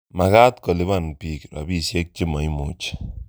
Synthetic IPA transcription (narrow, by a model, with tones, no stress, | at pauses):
ma˨ka˦t̪kɔ˨lɪ˦βa˦˨npi˨kɾa̰˨bi˦˨sjɛ˦k̚t͡ʃɪ˦ma˨i˦mo˨t͡ʃ